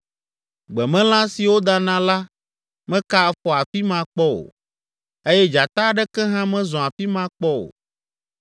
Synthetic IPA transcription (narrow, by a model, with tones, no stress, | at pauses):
ɡ͡bɛ˨mɛ̃˦l̃ã˦si˨wo˦d̪a˦nã˦la˦ | mɛ̃˦ka˦ɛ˦fɔ˨a˨fi˦mã˦k͡pɔ˦o̰˨ | e˦jɛ˦d͡ʒa˨t̪a˦ɖɛ˦kɛ˦ɦã˦mɛ̃˦zɔ̃˨a˨fi˦mã˦k͡pɔ˦o̰˨